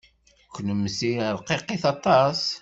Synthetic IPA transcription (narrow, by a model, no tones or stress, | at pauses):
kʷːnəmːəsiɾqeqeθɑt̪ˤɑs